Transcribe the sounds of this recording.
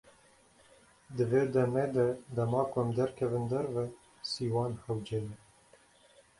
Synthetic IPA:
d̪ɨveːd̪ɛmeːd̪ɛd̪ɛmɑːkʊɛmd̪ɛɾkʰɛvɨnd̪ɛɾvɛ | siːwɑːnhɛwd͡ʒeːnɛ

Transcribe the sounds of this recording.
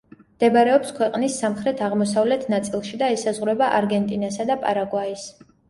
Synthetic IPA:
md̪̥ɛbɾɛɔpskʰwɛqʼnisːamχɾɛt̪ʰaʁmɔsavlɛt̪ʰnat̪sʼilˠʃid̪aɛsazʁɾɛbaʔaɾɡɛnt̪ʼinasad̪apʼa̰ɾaɡwais

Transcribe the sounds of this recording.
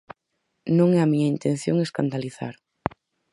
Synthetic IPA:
nõŋɛamiɲɐint̪ẽn̟θjoŋeskand̪aliθa̰ɾ

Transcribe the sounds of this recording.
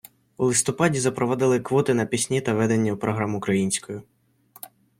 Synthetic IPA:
ulˠɪst̪ɔpɑdʲizɐpɾɔʋɔd̪ɪlˠɪkʋɔt̪ɪnɐpʲisʲnʲit̪ɐʋɛd̪enʲːɐupɾɔɦɾɑmʊkɾɐjinʲsʲkɔjʊ

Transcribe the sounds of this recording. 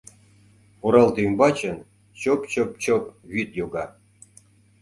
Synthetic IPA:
oɾɑlt̪ymbɑt͡ɕən | t͡ɕopt͡ɕop̚t͡ɕopβit̪joɣɑ

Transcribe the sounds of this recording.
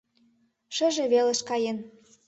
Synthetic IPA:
ʃə̆ʒeβeleʃkɑjen

